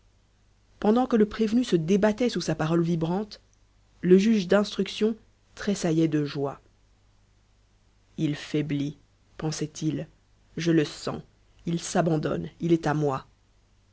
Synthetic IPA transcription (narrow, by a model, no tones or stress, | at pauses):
pɑ̃d̪ɑ̃kələpχevnysəd̪ebat̪ɛsusapaʁɔlvibʁɑ̃t̪ | ləʒyʒd̪ɛ̃st̪χyksjɔ̃ | t̪χesajɛd̪əʒwa | ilfɛbli | pɑ̃sɛt̪ʰil | ʒələsɑ̰̃ | ilsabɑ̃d̪ɔ̰nilɛt̪amwa